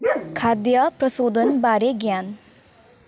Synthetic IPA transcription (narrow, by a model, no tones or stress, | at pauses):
kʰaːd̪japɾəsoːd̪ʱənbaːɾeɡjaːn